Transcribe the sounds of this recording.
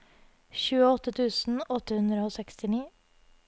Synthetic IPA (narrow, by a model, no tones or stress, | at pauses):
çʉːəɔt̪ət̪ʰʉːsn̩ɔt̪əhʉnd̪ɾəoːsɛkst̪ɪniː